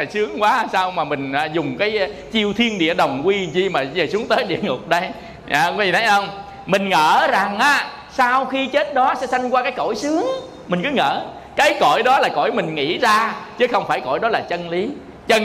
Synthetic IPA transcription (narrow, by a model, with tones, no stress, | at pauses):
a˨˩jsɨ˨˦əŋkwaː˨˦saː˧wmaː˨˩mï˨˩ŋ̟aː˨˩zʊ˨˩ŋ͡mkaː˨˦j | t͡ɕi˧əwt̪ʰi˧ənɗḭ˧˨əɗə˨˩wŋ͡mkwi˧zi˧maː˨˩zəː˨˩sɨ˨˦əŋt̪əː˨˦jɗḭ˧˨əŋʊ˨˩k͡p̚ɗə˧j | a̰˧˩˧wi˨˩t̪ʰə˨˦jə˧wŋ͡m | mï˨˩ŋ̟ŋəː˧˩za˨˩ŋʔaː˨˦ | saː˧wxi˧t͡ɕe˦˥t̚ɗɔ˨˦sɛ̰˧˥sa˧jŋ̟kwaː˧kaː˨˦jko˧˩˨jsɨ˨˦əŋ | mï˨˩ŋ̟kɨ˨˦ŋə̰ː˧˩ | kaː˨˦jko˧˩jɗɔ˨˦laː˨˩ko̰˧˩jmï˨˩ŋ̟ŋḭ˧˥zaː˧t͡ɕɨ˨˦xə˧wŋ͡mfaː˧˩jko̰˧˩jɗɔ˨˦laː˨˩t͡ɕə˧nli˨˦ | t͡ɕə˧